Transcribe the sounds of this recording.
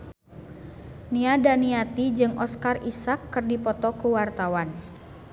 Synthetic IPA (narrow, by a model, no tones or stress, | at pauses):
niadaniat̪id͡ʒɨŋʔɔskarisakːərdipɔt̪ɔkuwart̪awan